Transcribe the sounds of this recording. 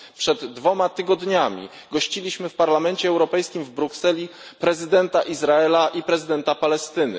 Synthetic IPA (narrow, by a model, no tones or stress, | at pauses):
pʂɛd̪ːvɔmat̪ɘɡɔd̪ɲamʲḭ | ɡɔɕt͡ɕilʲiɕmɘfpaɾlamɛnt͡ɕɛɛwɾɔpɛjskʲimvbɾuksɛlʲi | pɾɛzɘd̪ɛnt̪aʔizɾaɛlaʔipɾɛzɘd̪ɛnt̪apalɛst̪ɘnɘ̰